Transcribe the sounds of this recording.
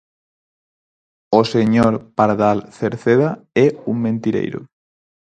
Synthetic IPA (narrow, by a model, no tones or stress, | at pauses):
oseɲoɾpaɾðalθeɾθeðaɛuŋmẽnt̪iɾḛjɾo̰